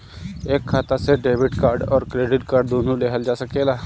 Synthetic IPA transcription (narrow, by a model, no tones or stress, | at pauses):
eːkʰːaːt̪aseɖeːʋɪʈkaːɾɖɔːɾkɾeːɖɪʈkaːɾɖ̚d̪oːnũleɦəld͡ʒaːsɐkelaː